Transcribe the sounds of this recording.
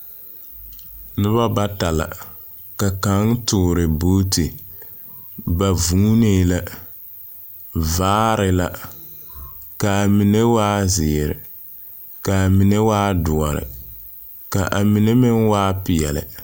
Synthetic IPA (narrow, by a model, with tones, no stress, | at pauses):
nɨ˦ba˦ba˦ta˨la̰˨ | ka˨ka˨˦ŋtʊ˦˨ɾɪ˨boː˦ti˨ | ba˨vu˦ne˦˨la˦ | vaː˦ɾɪ˨la˦ | ka˨mi˨ne˦waː˦zɪ˨ɾɪ̰˨ | ka˨mi˨ne˦waː˦dʊ˨ɔ˨ɾɪ̰˨ | ka˨ʔa˨mi˨ne˦mɪ˦nwaː˦pɪ˨ɛ˨lɪ̰˨